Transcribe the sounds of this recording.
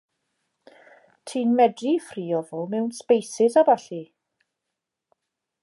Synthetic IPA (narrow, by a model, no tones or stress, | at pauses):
tʰiːnmɛdrifriːɔvoːmɛwnspejsɪsabaɬi